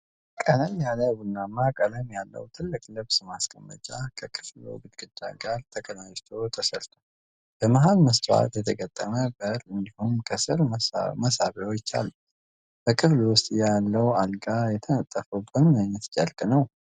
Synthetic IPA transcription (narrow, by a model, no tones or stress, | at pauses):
kʼələmjaləβunːamakʼələmjalːə̰wt̪ʰɨlːɨkʼlɨβsmaskʼəmːə̰t͡ʃʼakʰəkʰɨ̥flo̰ɡɨd̪ɡʼɨd̪ːa̰ɡaɾt̪ʰəkʼənajt̪ʰo̞t̪ʰəsəlt̪ʰo | b̥əmaɦalməst̪ʰʼa̰t̪jɛt̪ʰəɡət̪ʼːəməbəɾɨnd̪ihumkʰəsɨɾməsaβeot͡ʃːa̰lːu | b̥əkʰɨflwʊst̪ʼjalːəwalɡʼajɛt̪ʰənət̪ʼːəfəwbɨnmənːət̪t͡ʃʼəlkʼnəw